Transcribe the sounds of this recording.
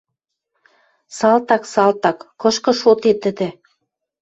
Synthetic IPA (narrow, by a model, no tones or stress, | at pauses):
sɑlt̪ɑksɑlt̪ɑkːɤ̆ʃkɤ̆ʃot̪et̪ə̆d̪ĕ